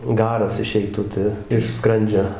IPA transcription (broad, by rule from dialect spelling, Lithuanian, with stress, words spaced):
ˈɡɑːrɐs ɪˈʃʲɛɪtʊ ˈtɐ ɪʃ ˈskrɐnʲd͡ʒʲoː